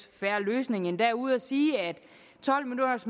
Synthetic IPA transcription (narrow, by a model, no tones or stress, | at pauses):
fæɐløːsne̝ŋənd̥æɐuð̞̰ˠæsiːæd̥ | t͡sʰɒ̽l̰milunɐsm